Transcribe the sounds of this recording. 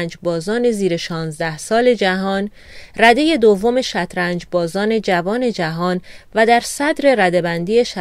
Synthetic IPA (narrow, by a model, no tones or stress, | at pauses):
nd͡ʒbɒːzɒːne̞ziːɾe̞ʃɒːnzd̪æhsɒːle̞d͡ʒæɦɒːn | ræd̪e̞je̞d̪ovːome̞ʃæt̪ʰɾænd͡ʒbɒːzɒːne̞d͡ʒævɒːne̞d͡ʒæɦɒːnvæd̪æɾsæd̪ɾe̞ɾæd̪e̞bænd̪iːe̞ʃæ